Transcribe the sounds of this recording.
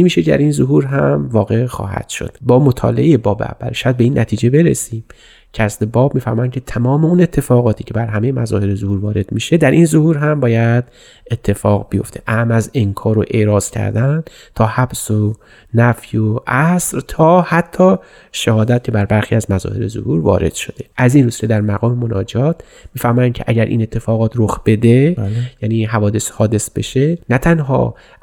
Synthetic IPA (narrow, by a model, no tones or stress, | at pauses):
imiːʃecd̪æ̰ɾinzoɦuːɾɦæmvɒːɣe̞xɒ̰ːhæ̰d̪̥ʃo̰d̪̥bɒːmot̪ʰɒ̰ːleʔejebɒːbḛæ̰vːæ̰lʃææd̪̚beiːnːæ̰t̪ʰiːd͡ʒe̞be̞ɾesiːm | cʰæslebɒːbmiːfæɾmɒːjænkcʰe̞t̪ʰæmɒːmeune̞t̪ʰːe̞fɒːɣɒːt̪ʰiːcʰe̞bæɾɦæme̞jemæzɒːhe̞ɾezohuːɾvɒːɾe̞d̪̥miːʃe̞d̪æɾʔinzohuːɾɦæmbɒːjæd̪ | et̪ʰːe̞fɒːɣbejo̞̰ft̪ʰe̞ʔæmæzeŋkʰɒːɾoʔe̞ʔɾɒːz̥cʰæ̰ɾd̪æn | t̪ʰɒːhæbso | næfjoʔæsɾt̪ʰɒːhæt̪ʰːɒː | ʃæhɒːd̪æt̪ʰibæɾbæɾxiːæzmæzɒ̰ːhe̞ɾezo̰huːɾvɒ̰ːɾe̞d̪̥ʃo̞d̪e̞ʔæzinɾusked̪æɾmæɣɒːme̞monɒːd͡ʒɒːt̪ʰ | miːfæhmɒːjæncʰeʔæɟæɾʔḭːne̞t̪ʰːe̞fɒːɣɒːt̪ʰɾoxb̥e̞d̪e̞jæːniːɦævɒːd̪e̞shɒːd̪e̞sb̥e̞ʃenæt̪ʰænɦɒ̰ː